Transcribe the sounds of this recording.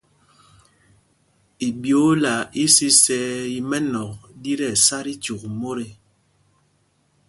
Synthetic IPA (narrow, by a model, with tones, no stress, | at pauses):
i˨bjo˨˦la˨i˦si˦sɛ˦i˨mɛ˦nɔ˨k̚di˦ɾɛ˨sa˦ɾi˦t͡ʃu˨k̚mo˦ɾɛ˨